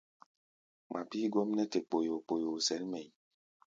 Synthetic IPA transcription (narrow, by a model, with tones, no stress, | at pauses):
mʔa˨pi˦ɡɔ˦mnɛ˦te˨k͡po˨jo˨k͡po˨jo˨sɛ˨˦lmɛ˨j